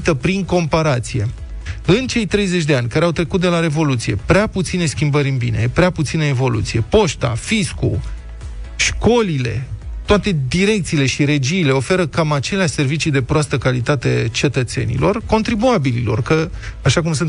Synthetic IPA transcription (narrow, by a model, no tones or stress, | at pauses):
t̪əpɾiŋko̞mpaɾat̪sije̞ | ɨnt͡ʃe̞jt̪ɾe̞jze̞t͡ʃʲd̪e̞anʲkaɾeawt̪ɾe̞kut̪̚d̪e̞laɾe̞vo̞lut̪sije̞pɾeaput̪sine̞skʲimbəɾʲɨnbine̞pɾeaput̪sineevo̞lṵt̪sije̞po̞ʃt̪a̰fiskṵ | ʃko̞lile̞̰t̪oat̪e̞d̪iɾe̞k̚t̪siːle̞ʃiɾe̞d͡ʒiːle̞o̞fe̞ɾəkamat͡ʃe̞leaʃse̞rvit͡ʃid̪e̞pɾoast̪əkalit̪at̪e̞t͡ʃe̞t̪ət̪se̞̰nḭlo̞rko̞nt̪ɾibuabililo̞̰rkəaʃakumsɨnt̪